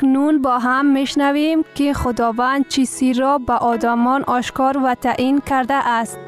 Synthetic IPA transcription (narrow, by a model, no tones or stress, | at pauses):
knunbɔɦamːeʃnavemkɪχʊd̪ɔvand̪̚t͡ʃʰisiɾɔbaʔɔd̪amɔnʔɔʃkɔɾvat̪ʰaʔinkʰaɾd̪aʔast̪